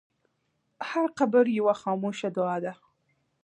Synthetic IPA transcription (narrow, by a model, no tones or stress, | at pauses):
haɾqabəɾjawaxɑmoʃad̪ʊɑd̪a